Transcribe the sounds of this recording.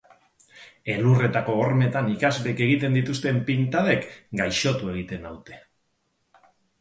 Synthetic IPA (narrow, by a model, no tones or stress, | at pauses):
e̞lure̞t̪ako̞ːɾme̞t̪anikazβeke̞ɣ̞it̪e̞nd̪it̪ust̪e̞mpint̪aðe̞kɡajʃo̞t̪ue̞ɣ̞it̪e̞nawt̪e̞